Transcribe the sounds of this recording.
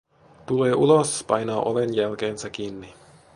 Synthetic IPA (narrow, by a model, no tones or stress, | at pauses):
t̪uleːʔulospɑjnɑːʔolenjælk̟eːnsæk̟iːnːi